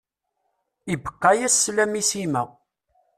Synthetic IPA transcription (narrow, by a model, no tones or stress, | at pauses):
ibə̥qːæjæsːlæmisimæ